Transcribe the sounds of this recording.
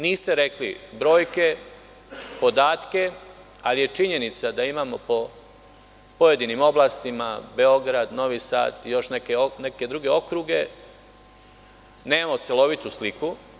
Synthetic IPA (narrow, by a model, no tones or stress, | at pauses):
niːst̪e̞ɾe̞klḭbɾo̞ːjke̞ | po̞d̪aːt̪ke̞ | alije̞t͡ʃiɲe̞nit̪sad̪aimaːmo̞po̞ | po̞je̞d̪inimo̞blˠaːst̪imabe̞o̞ɡɾad̪no̞ʋisa̰ːt̪jo̞ʃnekeone̞ke̞d̪ɾuɡe̞o̞kɾuɡe̞ | neːmamo̞t̪selo̞ʋit̪usliku